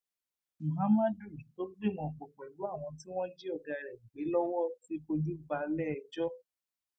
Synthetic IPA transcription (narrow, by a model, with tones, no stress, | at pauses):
mũ˨ɦa˨˦ma˦du˦˨i˨to˦bi˦˨mɔ̃˧˨k͡pɔ˨k͡pɛ˨lu˨˦a˦˨w̃ɔ̃˧t̬i˦w̃ɔ̃˦d͡ʒi˦ɔ˦˨ɡa˧ɾɛ˨ɡ͡be˨˦lɔ˦wɔ˦ti˦ko˧d͡ʒu˦ba˧lɛ˦ɛ˧d͡ʒɔ˦